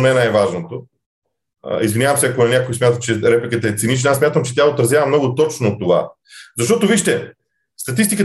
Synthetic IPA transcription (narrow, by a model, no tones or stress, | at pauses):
nɛnajvaʒnot̪o̰ | izvinʲjavəmsɛɐkonɐnʲakojsmjat̪ət͡ʃɛɾɛplʲikət̪ɐːt̪sinit͡ʃnasmʲat̪əmt͡ʃɛ̥t̪ʲaot̪ɾɐzjavəmnɔɡʊt̪ɔt͡ʃnot̪ːova̰ | zɐʃt̪ɔt̪oviʃt̪ɛ | st̪ɐt̪ist̪ikə